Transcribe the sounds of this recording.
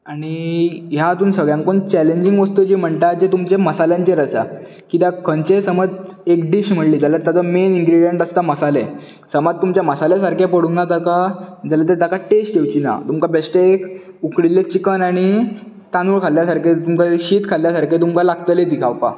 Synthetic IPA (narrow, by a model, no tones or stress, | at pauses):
aɽ̃ijat̪uːnsəɡɭjãŋkoːnt͡ɕæleɲd͡ʑiŋɡʋəst̪ud͡ʑim̤əɳt̪ad͡ʑet̪umt͡ɕeməsaljãɲt͡ɕeɾəsa | kit̪jakʰənt͡ɕesəməd͡zekɖiɕm̤əɽliːd͡zalat̪jat͡sɔmeniŋɡɾiɽijeɳʈəst̪aməsale | səmad͡z̚t̪ːumt͡ɕaməsaljasaɾkʰjapəɽunːat̪akad͡zalat̪et̪akaʈesʈkewt͡ɕina̰t̪umkabesʈeek | ukɽilet͡ɕikənaɽ̃i | t̪anuːɭkʰaljasaɾket̪umkaɕiːt̪kʰalːjasaɾkʰet̪̬umkalaɡt̪əled̪ikʰawpa̰